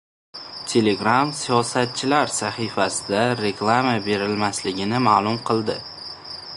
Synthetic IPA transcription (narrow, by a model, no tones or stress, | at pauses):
t̪ʰe̞le̞ɡɾamsijɒsat̪̚t͡ʃʰɪlaɾsaχifasɪd̪aɾe̞klˠamabe̞ɾɪlmaslɪɡʲɪnɪmaːlˠʊmqʰɨlˠd̪ɪ